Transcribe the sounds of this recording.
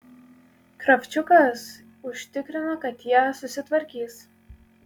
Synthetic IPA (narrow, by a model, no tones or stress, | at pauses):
kɾɐfʲt͡ʃʲʊkɐs | ʊʃʲt̪ʲɪkɾʲɪnokɐt̪jæːsʊsʲɪt̪ʋɐɾʲkʲiːs